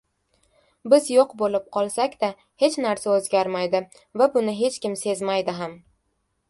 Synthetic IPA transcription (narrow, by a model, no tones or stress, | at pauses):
bɪzjoqbolɪp̚qʰɒlˠsakʲd̪̥a | he̞t͡ʃnaɾsaozɡʲaɾmajd̪ɪ | vabʊnɪɦe̞t͡ʃkʲɪmse̞zmajd̪ɪɦam